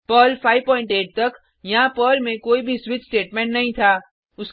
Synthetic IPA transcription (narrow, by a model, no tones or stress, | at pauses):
pəːlfʰaːɪʋpɔːɪ̃ɳʈeːʈ̚t̪ɐk | jɐɦãpəːlmẽkoːibʱiswɪt͡ʃsʈeːʈmɛ̃ːɳʈnɐɦĩt̪ʰaː | ʊs